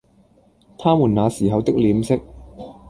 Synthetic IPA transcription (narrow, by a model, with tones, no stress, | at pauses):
t̪ʰaː˥mu˨˩naː˨˧siː˨˩ɦɐ˨wt̪ɪ˥k̚liː˨˥msɪ˥k̚